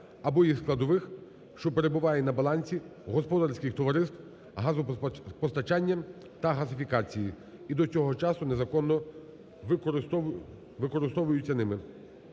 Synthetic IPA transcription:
ɐbɔjisklˠɐd̪ɔʋɪx | ʃt͡ʃɔpeɾebʊʋɑjɛnɐbɐlˠɑnʲsʲiɦɔspɔd̪rsʲkʲɪxt̪ɔʋɐɾɪst̪ | ɦɑzʊpɔst̪ɐt͡ʃɑnʲːɐ | t̪ɐɦɐsɪfʲikɑt͡sʲiji | id̪ɔt͡sʲɔɦɔt͡ʃɑsʊnezɐkɔnːɔ | ʋɪkɔɾɪst̪ɔʋʊjʊt͡sʲːɐnɪmɪ

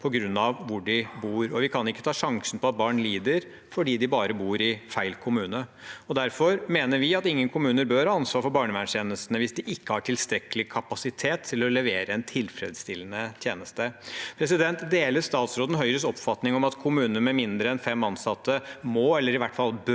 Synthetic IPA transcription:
pʰɔɡɾʉnːɑʋʋʊɖɪbuːɾɔʋɪkʰɑnɪkːət̪ʰɑːʂɑŋsən̩pʰɔɑt̪̚bɑːɳliːd̪əɾ | fɔɖiːd̪ɪbɑːɾəbuːɾɪfæɪlkʰʊmʉːnəɔd̪æɾfɔɾmeːnəɾʋɪɑt̪ɪŋːənkʰʊmʉːnəɾbøɾhɑːɑnsʋɑːɾfɔɾbɑːɳəʋæɳʂeːnəsənəʋɪsd̪ɪʔɪkːəhɑʈʰɪlst̪ɾɛkəlɪkʰɑpɑsɪt̪ʰeːt̪ʰːɪlɔlɛʋeːɾəɛnt̪ʰɪlfɾɛ̰d̪st̪ɪlːənət̪ʰjeːnəst̪əpʰɾɛs̬ɪd̪ɛnt̪d̪eːləɾʂt̪ɑːt̪sɾoːd̪n̩ɦœʏɾəsɔpfɑt̪nɪŋɔmɑt̪kʰʊmʉːnənmɛmɪnd̪ɾəɛnfɛmɑnsɑt̪ʰːəmɔɛlːəɾɪʋæʈːfɑlˠbø

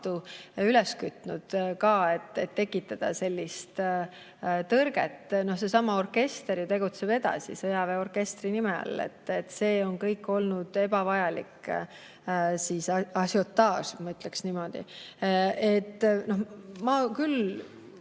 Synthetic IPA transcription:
t̪uylɛskyt̪ːnud̪̥kɑːe̞t̪ːet̪ːe̞kːˑit̪ːˑɑd̪̥ɑ̰se̞lʲːist̪ | t̪ɤrɡ̥ḛt̪ːno̞hse̞sɑmɑo̞rke̞st̪eɾjut̪e̞ɡut̪se̞b̥e̞d̪̥ɑ̰sḭsɤjɑveo̞rke̞st̪rinimḛɑ̰lḛt̪ːet̪ːse̞ːo̞nkɤjkːˑo̞lnud̪̥e̞bɑvɑjɑlik | sisɑsjot̪ːɑːsmɑyt̪ːˑleksnimo̞d̪̥ḭ | e̞t̪ːno̞hmɑkyl

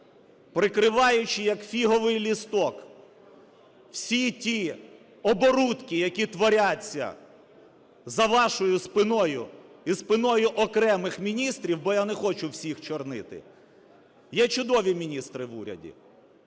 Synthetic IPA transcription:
pɾɪkɾɪʋɑjʊt͡ʃɪjɐkfʲiɦɔʋɪjlʲist̪ɔk | w̥sʲitʲi | ɔbɔɾut̪kʲijɐkʲit̪ʋɔɾʲat͡sʲːɐ̰ | zɐʋɑʃɔjʊspɪnɔjʊ̰ispɪnɔjʊʔɔkɾɛmɪxmʲinʲist̪ɾʲiwbɔjanɛxɔt͡ʃʊwsʲixt͡ʃɔrnɪt̪ɪ̰ | jɛt͡ʃʊd̪ɔʋʲimʲinʲist̪ɾɪʋṵɾʲɐ̰dʲḭ

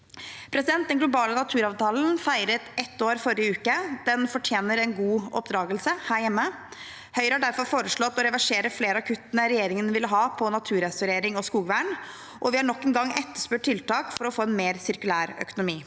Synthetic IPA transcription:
pʰɾɛsɪd̪ɛnt̪d̪ɛnɡlʊbɑːlənɑt̪ʰʉːɾɑːʋt̪ɑːln̩fæɪɾət̪ɛt̪ːoːɾfɔɾɪəʉːkəd̪̥ɛnfɔʈʰjeːnəɾɛnɡuːɔ̰pd̪ɾɑːɡəlsəhæːɾjɛmːə | hœʏɾəhɑɖæɾfɔɾfoːɾəʂɭɔt̪ːɔɾɛʋæʂeːɾəfleːɾəɑkʰʉt̪ːənəɾɛjeːɾɪŋənʋɪlːəɦɑːpʰɔnɑt̪ʰʉːɾɛsʊɾeːɾɪŋɔskuːɡʋæːɳ | ʔɔʋɪhɑɳɔkːɛnɡɑŋːɛt̪ːəʂpʉʈ̚ʈʰɪlt̪ɑːkfɔɾɔfoːɛnmeːɾsɪɾkʉlæːɾœ̰kʊnʊmiː

